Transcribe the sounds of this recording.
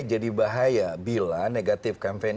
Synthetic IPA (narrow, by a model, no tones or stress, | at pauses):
d͡ʒadibaɦajabilaneɡat̪ɪfkampen